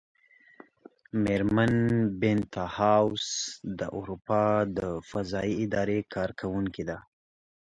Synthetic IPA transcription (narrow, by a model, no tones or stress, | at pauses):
meɾmanbɪnt̪ɑhawsd̪ə̰ʔuɾupɑd̪əfazɑiɪd̪ɑɾekʰɑɾkʰawuŋkid̪a